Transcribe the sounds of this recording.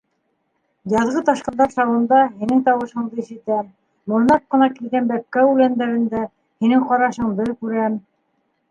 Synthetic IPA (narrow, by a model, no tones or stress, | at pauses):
jɑðʁɤt̪ɑʃqɤ̆nd̪ɑɾsɑwɤ̆nd̪ɑhinɘŋt̪ɑwɤ̆ʃɤ̆ɴd̪ɤiʃɘ̆t̪æm | mŏɾnɑp̚qɤ̆nɑkilɡænbæp̚kːæʉlænd̪æɾɘ̆nd̪æ | hinɘŋqɑɾɑʃɤɴb̪ɘlkʉɾæm